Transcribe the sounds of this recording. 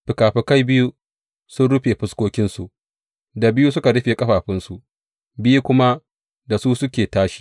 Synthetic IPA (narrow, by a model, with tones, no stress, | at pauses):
ɸɪ˨kaː˨ɸɪ˨ka˦jbɪ˦ju˦ | sʊ˦nɽʊ˦ɸeː˨ɸɪ˦skʷoː˦kʲɪ˦nsu˨ʔ | da˨bɪ˦ju˦sʊ˦ka˨ɽʊ˦ɸeː˨kʼɐ˦ɸaː˨ɸɪ˦nsu˨ʔ | bɪ˦ju˦kʷʊ˦ma˦ | da˨suː˦sʊ˦kʲeː˨taː˦ʃi̥˦˨